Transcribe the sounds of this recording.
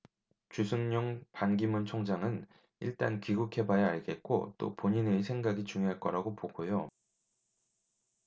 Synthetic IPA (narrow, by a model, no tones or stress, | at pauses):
t͡ɕusʰɯŋɲʌŋpanɡimunt͡ɕʰoŋd͡ʑaŋɯn | iɭt͈a̰nkɥiɡukʰe̞bajeaɭɡe̞t̚k͈o̰t͈o̰poɲinesʰe̞ŋɡaɡit͡ɕuŋjoɦaɭk͈ʌɾaɡopoɡojo